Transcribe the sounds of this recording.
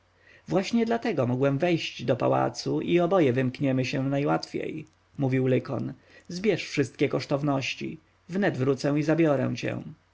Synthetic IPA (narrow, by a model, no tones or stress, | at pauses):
vwaɕɲɛd̪lat̪ɛɡɔmɔɡwɛmvɛjɕd͡ʑd̪ɔpa̰wa̰t̪suʔiɔbɔjɛvɘmkɲɛmɘɕɛnajwat̪fʲjḛj | muvʲiwlɘkɔ̰n | zbʲjɛʂfʂɘst̪̚kʲɛkɔʂt̪ɔvnɔɕt͡ɕḭ | vnɛd̪vɾut̪sɛ̃izabʲjɔɾɛ̰w̃t͡ɕɛ̰̃